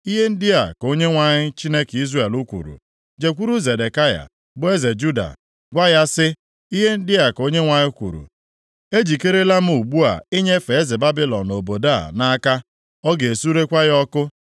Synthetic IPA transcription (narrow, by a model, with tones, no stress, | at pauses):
i˦ɦe˦n̩˦dɪ˦a˨ko˦ɲe˦ŋʷa˨ɲɪ˦t͡ʃi˦ne˦ki˦zɾe˨lu˦kʷṵ˨ɾṵ˨ | d͡ʒe˨kʷu˦ɾu˦ze˨de˨ka˦ja̰˨ | bʊ˦e˦ze˨d͡ʒu˦da̰˨ | ɡʷa˦ja˦sɪ˦ | i˦ɦe˦n̩˦dɪ˦a˨ko˦ɲe˦ŋʷa˨ɲɪ˦kʷṵ˨ɾṵ˨ | e˦d͡ʒi˨ke˦ɾe˦la˦m̩˦u˨ɡ͡bu˦a̰˨i˦ɲe˦fe˨e˦zɪ˨ba˦bi˦lɔ˨no˨bo˨da̰˦˨na˦a˦ka˦ | ɔ˦ɡe˨su˦ɾe˦kʷa˦ɣɔ˦kʊ˦